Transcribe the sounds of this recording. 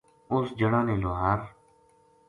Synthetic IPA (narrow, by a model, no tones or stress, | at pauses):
ʊsd͡ʒəɽãːneːloːɦaːɾ